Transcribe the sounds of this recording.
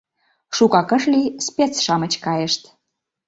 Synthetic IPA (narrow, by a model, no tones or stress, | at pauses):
ʃukɑkə̆ʃlispʲet͡sʃɑmət͡ɕkɑjəʃt̪